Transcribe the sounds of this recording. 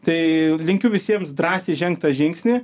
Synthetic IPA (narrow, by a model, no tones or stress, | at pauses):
t̪ɐɪlʲɪŋʲkʲʊʋʲɪsʲiɛmsd̪ɾɑːsʲeːʒʲɛŋk̚t̪ɐʒʲɪŋʲksʲnʲiː